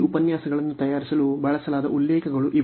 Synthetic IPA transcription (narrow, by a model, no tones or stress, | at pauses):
upɐnjaːsɐɡɐɭɐnːut̪ɐjaːɾisɐlubɐɭɐsɐlaːd̪ɐʔulːɛːkɐɡɐɭuʔi